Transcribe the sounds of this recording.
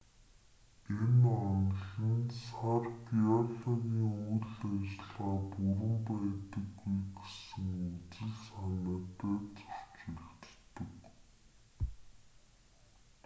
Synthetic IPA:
enɔnɮə̆nsarɡiɔɮɔɣʲiːŋuɮæt͡ɕɮʁaːpuɾə̆mpæːt̪ə̆ɡːujɡesɘ̆ŋut͡sɘ̆ɮsanə̆ːt̪æːt͡sɔr̥t͡ɕeɮt̪t̪ːə̆k

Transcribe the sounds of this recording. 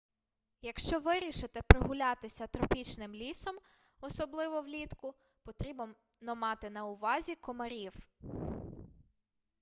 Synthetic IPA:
jɐkʃt͡ʃɔʋɪɾʲiʃɪt̪ɪpɾɪɦʊlʲɑt̪ɪsʲɐt̪ɾɔpʲit͡ʃnɪmlʲisɔm | ɔsɔblˠɪʋɔwlʲit̪kʊ | pɔt̪ɾʲibɔ | nɔmɑt̪ɪnɐʊʋɑzʲikɔmɐɾʲiw

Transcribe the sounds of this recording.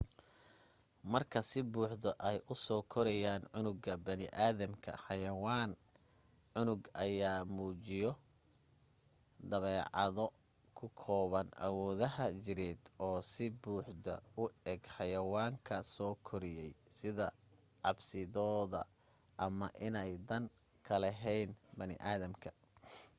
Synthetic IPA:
mɐrkʰɐsɪbuːħd̪ɔʔɛjʔʊsɔːkʰɔɾɛjaːnʕʊnʊɡɐbɐnɪʔaːðɐmkʰɐ̰ħɑjɐwaːn | ʕʊnʊɡʔɐjaːmuːt͡ʃɪjɔ | d̪ɐβɛːʕɑ̰ðɔ | kʰʊkʰɔːβɐnʔɐ̰wɔːðɐɦɐd͡ʒɪɾɛːd̪ɔːsɪbuːħd̪ɐ̰ʊɛɡħɑjɐwaːŋkʰɐsɔːkʰɔɾɪjɛjsɪðɐ | ʕɑbsɪðɔːðɐ̰ | ʔɐmɐʔɪnɛjd̪ɐn | kʰɐlɛɦɛjnbɐnɪ̰ʔaːðɐmkʰɐ

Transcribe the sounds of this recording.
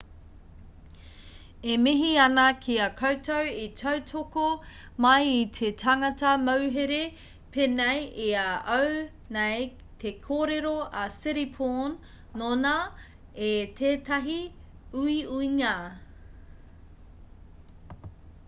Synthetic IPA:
emiɦiɐnɐkʰiɐkʰowtɐwitʰɐwtʰoko | mɐjitʰetʰaŋɐtɐmɐwɦeɾe | penejeaʔɐw | nej | t̪ʰekʰoːɾeɾoɐsɪɾipʰonː | onɐ | etʰeːtɐɦi | uiuiŋa

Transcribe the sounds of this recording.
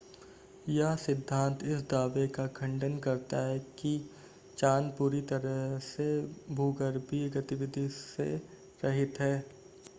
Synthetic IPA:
jɐɦsɪd̪ʱːãːnt̪ʰɪsd̪aːʋekakʰɐ̃ɳɖənkɐɾt̪aɦɛki | t͡ʃaːnpuːɾit̪ɐɾəɦsebʱuːɡəɾbʱiɡɐt̪ɪʋɪd̪ʱisḛ | ɾɐɦɪt̪ɦɛː

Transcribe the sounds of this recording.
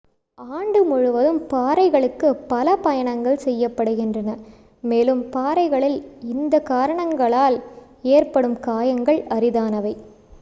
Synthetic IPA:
aːɳɖɯmʊɻʊʋɐðɯmpaːɾɐɪɣɐɭɯkːɯpːɐlɐpɐjɐɳɐŋɡɐɭsɛjːɐpːɐɽɯɣɪndrɐnɐ | meːlɯmpaːɾɐɪɣɐɭɪlɪnd̪ɐkːaːɾɐɳɐŋɡɐɭaːl | eːrpɐɽɯmkaːjɐŋɡɐɭɐɾɪðaːnɐʋɐɪ

